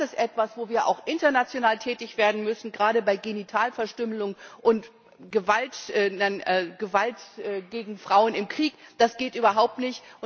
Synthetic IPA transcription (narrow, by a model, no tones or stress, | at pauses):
ɛsʔɛtv̥asv̥oːviːɐʔa̰ʊxʔɪntɐnat͡sjonaːltʰɛːtɪçv̥eːɐdn̩mʏsn̩ɡʁaːɾəbaɪɡenitʰaːlfɛɐʃtʏməlʊŋʔʊnt | ɡ̥əvaltʔɛnaɪnɛɡ̥əvaltʔɛɡeːɡŋ̩fʁ̥aʊənɪmkʁ̥iːkd̥asɡ̥eːtʔyːbɐɦaʊp̚tnɪçtʔʊ